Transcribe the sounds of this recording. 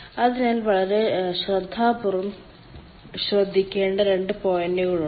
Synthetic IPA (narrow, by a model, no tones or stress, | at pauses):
ɐðinaːlʋɐɭɐɾe̞ɕrɐd̪ʱaːpurɐm | ɕrɐd̪ʱːikʲːe̞ːɳɖɐɾe̞ɳɖɨpo̞ːjɐnːeɣuɻu